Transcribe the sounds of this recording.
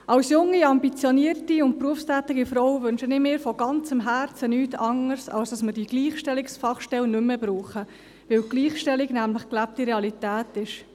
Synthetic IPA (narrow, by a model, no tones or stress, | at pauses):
ʔɑwsjʊŋːiɑmbit͡sjɔniəɾtiʊnt̚pɾuəfstæːtɪɡifɾɔwvʏnʃənɪmɪːɾfɔɡ̥ɑnt͡səmɦært͡sənyːtʰɑŋːəɾsɑ̰lsd̥ɑsməd̥iɡ̥liːχʃtɛliksfɑχʃtɛlnʏmːəbɾuːχə | ʋɪwɡliːχʃtɛliɡnæmləχklæp̚tiɾeɑlitæːtɪʃ